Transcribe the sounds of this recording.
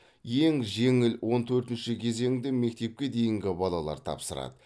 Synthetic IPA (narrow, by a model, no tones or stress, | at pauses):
jeŋʒe̞ŋɪlwo̞nt̪ʰɵɾt̪ɪnʃɪkʲʰe̞ze̞ŋd̪ɪme̞k̚t̪e̞p̚kʲe̞d̪e̞jɪŋɡʲɪbɑlˠɑlˠɑ̰ɾt̪ʰɑ̰psəɾɑ̰d̪ə